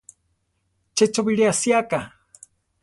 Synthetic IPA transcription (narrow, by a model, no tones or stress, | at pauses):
t͡ʃet͡ʃoβiɺiasiaka